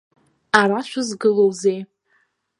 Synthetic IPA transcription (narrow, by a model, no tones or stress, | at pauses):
aɾat͡ʃʷʰazɡɨlowzej